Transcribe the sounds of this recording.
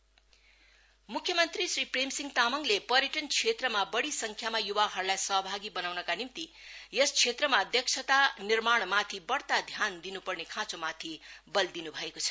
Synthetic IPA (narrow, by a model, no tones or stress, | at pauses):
mukʰjʌmʌnt̪risripremsiŋt̪amʌŋlepʌɾjeʈʌnt͡sʰet̪rʌmabʌɽisʌŋkʰjamajubaɦʌrlajsʌɦʌbʱaɡibʌnawnʌkanimt̪i | jest͡sʰet̪rʌmaʌd̪jʌksʰʌt̪anirmaɽ̃mat̪ʰibʌɽt̪ad̪ʱjand̪inupʌrnekʰãt͡somat̪ʰibʌld̪inubʱʌekot͡sʰʌ̥